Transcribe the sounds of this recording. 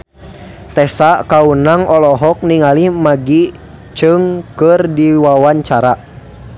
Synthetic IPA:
t̪ɛsakaunaŋɔlɔɦɔk̚niŋalihmaɡi | t͡ʃɨŋkɨrdiwawaɲt͡ʃaɾa

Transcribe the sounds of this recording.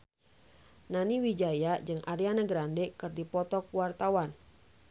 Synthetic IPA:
naniwid͡ʒajad͡ʒɨŋʔaɾianəɡɾandɛkɨrdipɔt̪ɔkuwart̪awan

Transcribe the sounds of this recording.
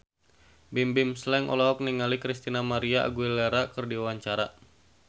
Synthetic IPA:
bimbɪmslɛŋʔɔ̰lɔɦɔk̚niŋalikɾist̪inamaɾiaʔa̰ɡuilɛɾakɨrdiuwaɲt͡ʃaɾa

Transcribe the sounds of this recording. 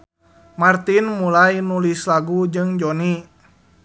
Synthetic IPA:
mart̪inmulajnulislaɡud͡ʒɨŋd͡ʒɔni

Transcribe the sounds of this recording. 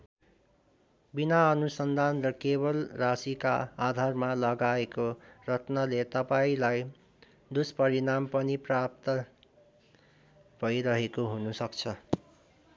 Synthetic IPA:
binaʌnusʌnd̪ʱanrʌkebʌlrasikaːd̪ʱarmalʌɡaekorʌt̪nʌlet̪ʌpaĩlaj | d̪uspʌɾinampʌniprap̚t̪ʌ | b̥ʱʌjɾʌɦekoɦunusʌkt͡sʰʌ

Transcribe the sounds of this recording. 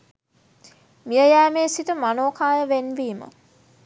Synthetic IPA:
mijəjæːmeːsit̪əmanoːkaːjəʋenʋiːmə̰

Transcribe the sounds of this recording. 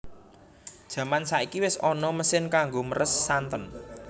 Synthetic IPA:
d̥ʒ̥ä̤mansaikiwɪsɔnɔməsɪnkaŋɡoməɾʔəsːant̪ɔn

